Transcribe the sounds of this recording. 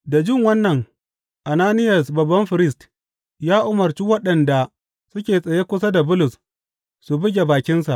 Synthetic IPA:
da˨d͡ʒɪ˦˨ŋwɐ˦nːɐ˨ŋ | ʔa˨naː˦nɪ˦jɐ˨sbɐ˨bːɐ˦mɸɪ˨ɾɪ˦st | jaː˦ʔʊ˨mɐ˨ɾt͡ʃiː˦wɐ˦ɗɐ˨nda˨ | sʊ˦kʲeː˨sʼɐ˨jeː˦kʷʊ˦sa˦da˨bʊ˦lʊ˨s | su˨bɪ˦ɡʲe˨baː˨kʲɪ˦nsa̰˨ʔ

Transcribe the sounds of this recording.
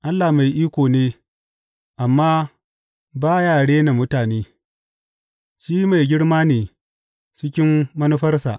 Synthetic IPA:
ʔa˦lːa˨ma˨jʔiː˦kʷoː˨neː˦ | ʔa˨mːaː˦ | baː˦jaː˨ɽeː˦na˨mʊ˦taː˨neː˦ | ʃiː˦ma˨jɡʲɪ˦ɽmaː˦neː˨ | t͡ʃɪ˦kʲɪ˦mːɐ˦nu˦ɸɐ˦rsa̰˨ʔ

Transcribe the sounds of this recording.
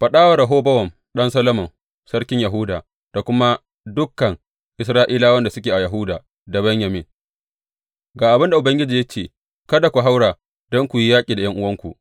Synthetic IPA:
ɸɐ˨ɗaː˦wɐ˦ɾa˨ɦoː˦bɐ˦wɐ˨m | ɗɐ˦nsɐ˦lo˦mɔ˨n | sɐ˦ɾkʲɪ˦ɲjɐ˨ɦʊ˦daː˨ | d̥a˨kʷʊ˦ma˦ | dʊ˦kːɐ˨ŋ | ʔɪ˨sɾaː˦ʔiː˦laː˦wɐ˦nda˨sʊ˦kʲeː˨ʔa˨jɐ˨ɦʊ˦daː˨ | da˨bɐ˦ɲjɐ˨mɪ˨ | ɡaː˨ʔa˨bɪ˦nda˨ʔʊ˨bɐ˦ŋɡʲɪ˦d͡ʒiː˨jɐ˦t͡ʃeː˨ | kɐ˦da˨kʷu˨ɦa˦wɽaː˨ | dɔ˦ŋkʷu˨ji˦jaː˦kʲʼiː˨da˨jɐ˦ŋʔʊ˦wɐ˦ŋkʷu˨ʔ

